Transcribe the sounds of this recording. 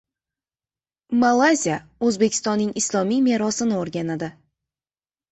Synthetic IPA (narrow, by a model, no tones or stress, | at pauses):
malˠazijaɵzbekʲʰɪ̥st̪ɒnːɪŋɪslˠɒmijme̞ɾɒsɪnɪoɾɡʲanad̪ɪ